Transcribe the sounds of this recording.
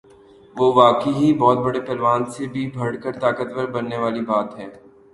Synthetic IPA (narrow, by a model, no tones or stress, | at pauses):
ʋoːʋaːkəiɦibɔːt̪̚bɐɽepɛlʋaːnsebʱibʱɐɽkəɾt̪aːkət̪ʋəɾbɐnːeʋaːlibaːt̪ɦɛː